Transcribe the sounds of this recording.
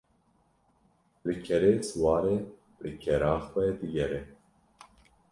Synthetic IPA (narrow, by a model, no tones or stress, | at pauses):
lɨkʰɛɾeːswɑːɾeː | lɨkʰɛɾɑːxwɛd̪ɨɡɛɾɛ